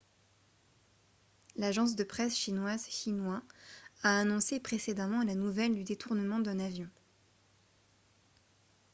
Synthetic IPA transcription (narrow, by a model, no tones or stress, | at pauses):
laʒɑ̃s̬d̪əpχɛsʃinwazʃinwaaːnɔ̃sepχesed̪amɑ̃lanuvɛld̪yd̪et̪ʰuʁnəmɑ̃d̪ɛ̃navjɔ̃